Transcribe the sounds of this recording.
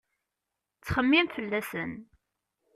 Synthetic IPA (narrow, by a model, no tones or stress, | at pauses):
t͡sːχəmːimfəlːæsən